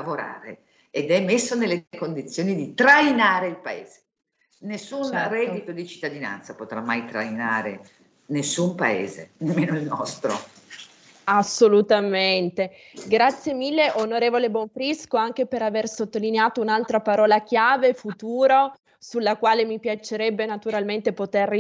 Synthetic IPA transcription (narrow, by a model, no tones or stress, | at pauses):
avoɾa̰ːɾe | ed̪ɛmːesːonelːekond̪it̪sːjoːnid̪it̪ɾajnaːɾeilpaḛːz̥e̥ | nesːunrɛit̪od̪it͡ʃi̥t̪ːad̪ina̰nt̪sapot̪ɾamːajt̪ɾa̰jna̰ːɾe | nesːumpaḛːzḛnemːeːnoilnɔst̪ɾo̰ | asːolut̪ament̪e | ɡɾat̪sːjemilːeʔonoɾeːvoleboɱfɾiskoaŋk̟epeɾaversot̪ːolineaːt̪ounalt̪ɾapaɾɔːlak̟jaːvefut̪uːɾo | sulːakwaːlemipjat͡ʃeɾɛbːenat̪uɾalment̪epot̪er